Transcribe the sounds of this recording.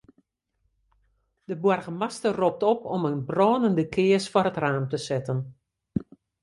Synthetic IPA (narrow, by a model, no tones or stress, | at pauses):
d̥əbwɔrɣəmastərop̚tɔpɔmənbrɔːnəndəkʰɪəsfɔɾətraːmtəsɪtən